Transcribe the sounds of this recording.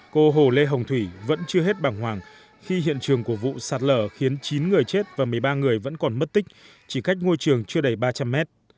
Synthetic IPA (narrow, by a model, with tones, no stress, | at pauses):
ko˧ɦo˧˩le˧ɦə˨˩wŋ͡mt̪ʰwi˧˩və̰˧˥nt͡ɕɨ˧əɦe˦˥t̚ɓaː˨˩ŋɦwaː˨˩ŋ | xi˧ɦḭ˧˨ənt͡ɕɨ˨˩əŋku˧˩əvṵ˧˨saː˨˩t̚ləː˧˩xi˨˦ənt͡ɕi˨˦nŋɨ˨˩əjt͡ɕe˦˥t̚vaː˨˩mɨ˨˩əjɓaː˧ŋɨ˨˩əjvə̰˧˥nkɔ˨˩nmə˦˥t̚t̪ï˦˥k̟̚ | t͡ɕi˧˩ka˦˥jk̟̚ŋo˧jt͡ɕɨ˨˩əŋt͡ɕɨ˧əɗə˧˩jɓaː˧t͡ɕa˧mːɛ˦˥t̚